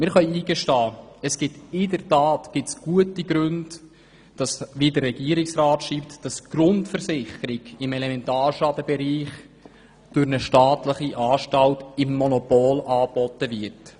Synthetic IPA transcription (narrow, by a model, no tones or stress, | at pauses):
mɪːɾχœʏiːɡəʃtɑːəsɡ̥ɪtɪdəɾtɑːtɡ̥ɪtsɡ̥uətiɡɾʉnd | d̥ɑsʋiːdərrɛɡ̥iːəɾɪksrɑːtʃiːptd̥ɑsɡ̥ɾʊntfəɾsɪχəɾɪɡɪmɛlɛmɛntaːɾʃɑdəbɛɾiːχ | d̥ʊɾnəʃtɑːtləχiʔɑːʃtɑltɪmːɔnɔpoːlʔɑːbɔtəvɪt